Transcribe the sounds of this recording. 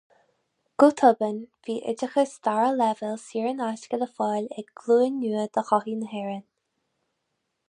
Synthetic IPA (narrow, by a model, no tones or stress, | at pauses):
ɡ̥ut̪ʰɔbənviːʔɪ̰d͡ʒəxəst̪aɹəlɛvəlsiːɹənaʃkələfɑːlʲɛɡɡ̥luːənːuːəd̪̥əxɔhiːnəɦɛɹən